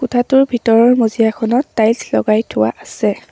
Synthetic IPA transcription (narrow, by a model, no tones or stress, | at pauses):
kʊtʰatʊɹbʱitɔɹɔɹmozijakʰɔnɔtːajlslɔ̰ɡajtʰʊwa̰ʔasɛ